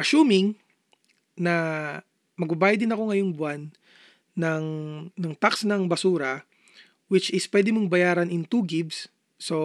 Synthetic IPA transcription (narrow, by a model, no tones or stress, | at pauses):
ʔɐʃuːmɪŋ | nɐ | mɐɡ̚bɐbaːjɐd̪ɪnɐko̞ŋɐjoŋbwanː | ɐŋnɐŋt̪aksnɐŋbɐsuːɾɐ | wɪt͡ʃɪspwɛd̪ɪmoŋbɐjaːɾɐnɪŋt̪uːɡɪbsː | o̞